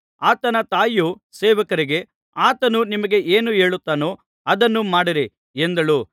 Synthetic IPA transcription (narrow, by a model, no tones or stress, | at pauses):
aːt̪ɐnɐt̪aːju | sɛːʋɐkɐɾiɡe̞ | aːt̪ɐnunimɐɡe̞ʔeːnue̞ːɭut̪ːaːnoː | ɐd̪ɐnːumaːɽiɾe | end̪ɐɭuː